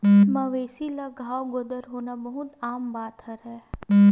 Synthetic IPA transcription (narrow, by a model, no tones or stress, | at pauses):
məʋeːsilaɡʱaːwɡod̪əɾɦoːnabəɦʊt̪aːmbaːt̪ɦəɾɦɛ